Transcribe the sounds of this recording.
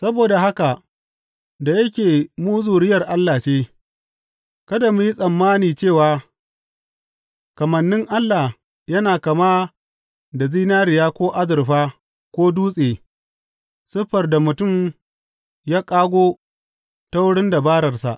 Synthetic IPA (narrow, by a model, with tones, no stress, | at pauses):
sɐ˦boː˨da˨ɦa˦ka˨ | da˨jɐ˦kʲeː˨muː˦zuː˨ɽɪ˦jɐ˨rʔa˦lːaː˨t͡ʃeː˦ | kɐ˦da˨mʊ˦ji˦sʼɐ˨mːaː˦niː˨t͡ʃeː˦˨waː˨ | kɐ˨mɐ˨nːɪ˦ŋʔa˦lːaː˨ | jɐ˦naː˨kɐ˨maː˦ | da˨ziː˦naː˦ɾɪ˨jaː˦kʷoː˦ʔa˦zɪ˨rɸaː˦ | kʷoː˦duː˦sʼeː˨ | sɪ˦ɸɐ˨rda˨mʊ˨tʊ˦m | jaː˦kʼaː˦ɡʷoː˦ | ta˦wʊ˦ɽɪ˦nda˨baː˦ɾɐ˨rsa̰˨ʔ